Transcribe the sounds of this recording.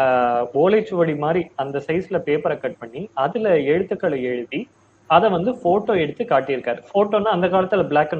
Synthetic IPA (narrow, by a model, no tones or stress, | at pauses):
boːleːt͡ʃːɯʋɐɽimaːd̪ɾiɐnd̪ɐsɐɪsɪlɐpeːpɐɾɐkɐʈ̚pɐɳːiɐðɪlɐɛɻɯt̪ːɯkːɐɭɐɛɻɯʋi | ɐðɛ̃ʋɐnd̪ɯfoːʈːoːɛɽɯt̪ːɯkaːʈːɪjɪɾɯkːaːɾɯfoːʈːoːnːaːɐnd̪ɐkaːlɐt̪ːɯlbɪɭaːkːɐn